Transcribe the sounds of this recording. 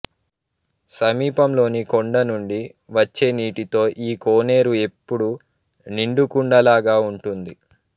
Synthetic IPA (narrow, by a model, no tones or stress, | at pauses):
sɐmiːpɐmlo̞ːnikoɳɖɐnuɳɖi | ʋɐt͡ʃːe̞ːniːʈit̪o̞ːʔiːkoːne̞ːɾue̞pːuɽu | niɳɖukuɳɖɐlaːɡaːuɳʈund̪i